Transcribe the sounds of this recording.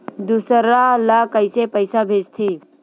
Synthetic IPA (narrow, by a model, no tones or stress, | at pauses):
d̪usəɾalakəjsepəjsabʱeːst̪ʰe